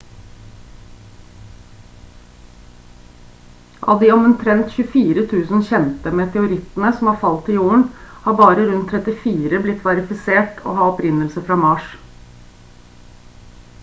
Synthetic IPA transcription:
ʔɑ̰ːʋd̪ɪːɔmʉnt̪ʰɾɛnt̪çʉəfiːɾət̪ʰʉːsnçɛnpəmeːt̪ʰɛʊɾɪt̪n̩əsɔm̩hɑːfɑlt̪ɪjuːəɳ̩hɑːbɑːɾəɾʉnt̪ʰːɾɛt̪ɪfiːɾəblɪt̪ʰːʋɑɾɪfɪseːʈo̰ːhɑːɔpɾɪnːəlsəfɾɑːmɑːʂ

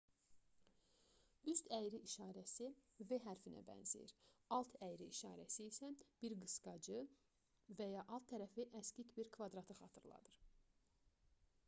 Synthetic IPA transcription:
yst̪æjɾiʔːʃɑːɾæsiveɦæɾfinæ̰bæ̰nzḭjḭɾɑlˠt̪ʰæjɾiːʃɑ̰ːɾæsiːsæb̥iɾɡɯsɡɑd͡ʒɯ | væjɑʔɑlˠt̪ʰːæɾæfiʔæscic̪biɾkʰvɑd̪ɾɑt̪ʰɯxɑ̰ːt̪ʰɯɾlˠɑ̰d̪ɯɾ

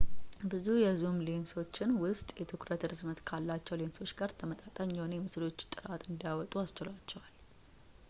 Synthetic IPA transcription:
bɨzujɛzumle̞nso̞t͡ʃːɪnwʊst̪ʼjɛt̪ʰɨkɾət̪ɾɨzmət̪kʰalːat͡ʃːɛwle̞nso̞t͡ʃːɡaɾt̪ʰəmət̪ʼat̪ʼaɲːonjɛmɨslo̞t͡ʃːt̪ʼɨɾat̪ɨnd̪ijawɔt̪ʼuast͡ʃɪlat͡ʃːɛwal

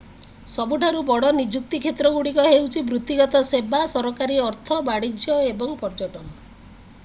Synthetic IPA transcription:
sɔbuʈʰaɾubɔɽɔnid͡ʒuk̚t̪ikʰet̪ɾɔɡuɽikɔɦewt͡ʃʰibɾut̪ːiɡɔt̪ɔsebasɔɾɔkaɾiɔɾt̪ʰɔbaɽid͡ʒjɔebɔŋpɔɾd͡ʒɔʈɔnɔ

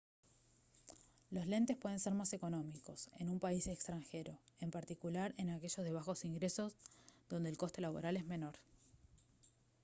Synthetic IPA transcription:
lo̞sle̞nt̪e̞spwe̞ð̞e̞nseɾmase̞ko̞no̞miko̞se̞̰numpaisekst̪ɾaŋxe̞ɾoempaɾt̪ikulaɾe̞nake̞ʒo̞zðe̞β̞axo̞siŋɡɾe̞so̞zðo̞nd̪elko̞st̪e̞laβ̞o̞̰ɾale̞zme̞no̞ɾ

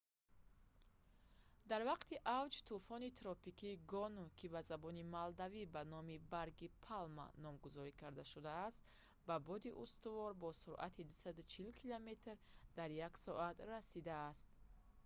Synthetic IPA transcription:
d̪aɾvaqt̪ʰiʔavd͡ʒt̪ʰufɔnit̪ʰɾɔpikʰiɡɔnukʰibazabɔnimald̪avibanɔmibaɾɡipʰalma̰nɔmɡuzɔɾikʰaɾd̪aʃud̪aːst̪ | babɔd̪iʔust̪uvɔɾbɔsuɾʔa̰t̪ʰid̪usad̪ut͡ʃʰilkʰilome̞t̪ɾd̪aɾjaksɔʔat̪rasid̪aːst̪̚

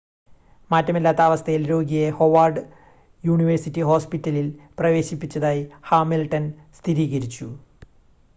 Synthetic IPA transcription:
maːtːɐmilːaːt̪ːɐaːʋɐst̪ʰɐjilɾo̞ːɡijeho̞ʋaːrɖɨ | juːɳiʋɐrsitːiɦo̞ːspitːɐlilprɐʋe̞ːɕipːit͡ɕːɐðaːjihaːmilʈɐnst̪ʰiɾiːɣɐɾit͡ɕːu

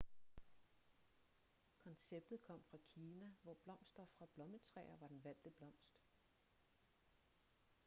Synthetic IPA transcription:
kʰɒ̽nseb̥̚d̥ð̞̩ˠkʰɒ̽m̰fʁɑ̈kʰiːnæʋɒb̥lɒ̽m̰sd̥ɐfʁɑ̈b̥lɒ̽mət͡sʰʁɛ̰ːɐʋɑ̈d̥enʋæl̰d̥əb̥lɒ̽m̰sd̥

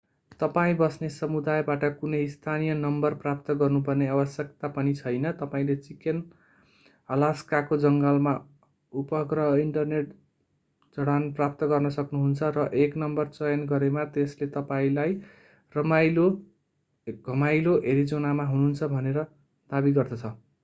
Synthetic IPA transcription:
t̪ʌpaĩbʌsnesʌmud̪ajbaʈʌkunʌjst̪ʰanijʌnʌmbʌrprapt̪ʌɡʌrnup̬ʌrneabʌsjʌkt̪apʌnit͡sʰʌjnʌt̪ʌpaĩlet͡siken | ʌlaskakod͡zʌŋɡʌlma | upʌkrʌiɳʈʌrneʈ | d͡zʌɽanprap̚t̪ʌɡʌrnʌsʌknuɦunt͡sʰʌrʌʔeknʌmbʌrt͡sʌjʌnɡʌɾemat̪eslet̪ʌpaĩlaj | rʌmajlo | ɡʱʌmajloʔeɾid͡zonamaɦunuɦnt͡sʰʌbʱʌneɾʌ | d̪̥abiɡʌrd̪ʌt͡sʰʌ

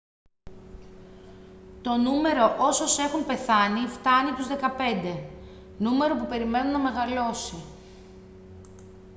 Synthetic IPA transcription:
t̪o̞nume̞ɾo̞ʔo̞so̞se̞xumpe̞θɐnift̪ɐnit̪uzðe̞kɐpe̞nd̪e̞ | nume̞ɾo̞pupe̞ɾime̞nunɐme̞ɣɐlo̞si

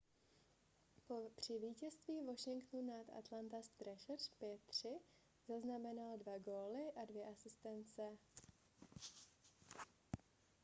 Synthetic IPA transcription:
po̞pr̝̥ɪviːcɛst̪viːvo̞ʃɪŋkt̪nunat̪ʔa̰t̪lant̪ast̪ɾɛʃrpjɛt̪ːr̝̥ɪ | zaznamɛnaldvaɡoːlɪʔadvjɛʔasɪst̪ɛnt͡sɛ

